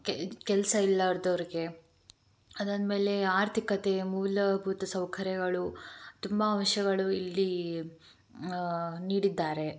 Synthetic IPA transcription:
kɛlɐsɐilːɐʋɐɾd̪ɐʋɐɾiɡe̞ | ɐd̪ɐnme̞ːle̞aːɾt̪ʰikɐt̪e̞muːlɐbʱuːt̪ɐsɐwkʰɐɾjɐɡɐɭut̪umbɐːmʃjɐɡɐɭuilːi | niːɽid̪ːaːɾe̞

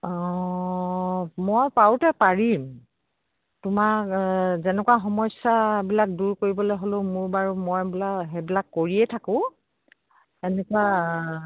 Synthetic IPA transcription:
mɔjpawtɛpaɹim | tʊma | zɛnɛkwaxɔmɔjsabilak̚duɹkoɹibɔlojɦolomʊɹbaɹʊmɔjbilaɦɛbilakːoɹiɛtʰakʊ̃ | ɛnɛkʊwa

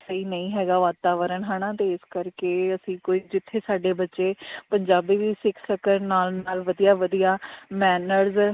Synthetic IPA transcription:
səiːnəĩːɦɛːɡaːʋaːt̪aːʋəɾəɳɦaːɽ̃aːt̪eːɪskəɾkeːəsĩːkoːiːd͡ʒɪt̪ʰːeːsaːɖeːbətːʃeːpəɲd͡ʒaːbiːʋiːsɪkʰsəkəɾnaːlnaːlʋəd̪ijaːʋəd̪ijaːmɛːnəɾz

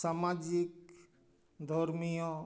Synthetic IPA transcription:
samad͡ʒik̚ | d̪ʱɔɾmijõ

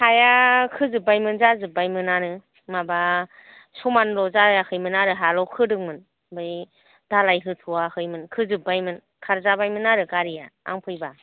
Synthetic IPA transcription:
hajakʰɯzɯbajmɯnzazɯbajmɯnanɯ | maba | sɔmanlɔzajakʰɯjmɯnaɾɯɦalɔkʰɯdɯŋmɯn | bɯj | dalajɦɯtʰuwahɯjmɯnkʰɯzɯbajmɯn | kʰaɾzabajmɯnaɾɯkaɾijaa̰ŋpʰɯjba

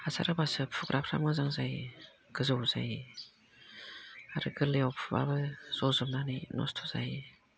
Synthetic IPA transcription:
asʰa̰ɾɯbasɯpʰuɡɾʔapʰɾa̰mɡɯzaŋzaj | ɡ̥ɯzɯwza̰j | aɾɯɡɯleɔwpʰuba̰bɯz̥ɔzɯmnaninɔ̰stʰɔ̥za̰j

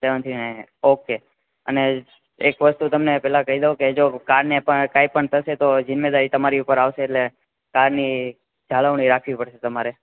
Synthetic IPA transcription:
seʋənt̪ʰinaoke | əne | ekʋəst̪ut̪əmnepɛlakəɦid̪õked͡ʒokaɾnepəkaipəɳt̪ʰəʃet̪od͡ʒənmed̪aɾit̪əmaɾiupəɾaʋʃeːʈle | kaɾni | d͡ʒʱaləʋɳ̃iɾakʰʋipəɽʃet̪əmaɾe

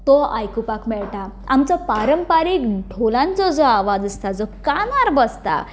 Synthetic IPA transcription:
t̪ɔa̰jkupakmɛɭʈaamt͡sɔpaɾəmpaɾikɖʱʰolãnt͡sɔd͡zɔaʋad͡zəst̪ad͡zɔkanaɾbəst̪a̰

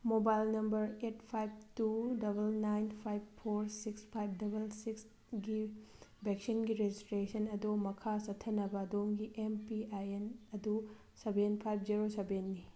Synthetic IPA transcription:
mobajlnɐmbɐɾet̚pʰajb̚tudɐbɐlnajnpʰajb̚pʰoɾsikspʰajb̚ʰdɐbɐlsiks | ɡibʱek̚sinɡiɾed͡ʒistɾesɐnɐdumɐkʰasɐtʰɐnɐbɐːdomɡiʔempiajenɐdu | sɐbenpʰajb̚ʰziɾosɐbenːi

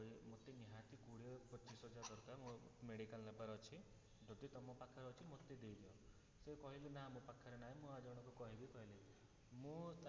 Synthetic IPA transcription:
imot̪iniɦãt̪ikuɽepɔt͡ʃːisɔd͡ʒad̪ɔɾt̪amũmeɽikallabaɾɔt͡ʃʰi | d͡ʒɔd̪it̪ɔmɔpakʰaɾɔt͡ʃʰimot̪ːid̪ejd̪iɔ | sekɔɦilenaɦmũpakʰaɾenaɦĩmũad͡ʒɔɽ̃ɔkukɔɦibikɔɦile | mũt̪

